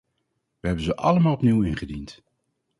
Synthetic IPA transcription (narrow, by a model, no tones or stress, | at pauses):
ʋəɦɛbənzəʔɑləmaːlˠɔpniwɪnχədint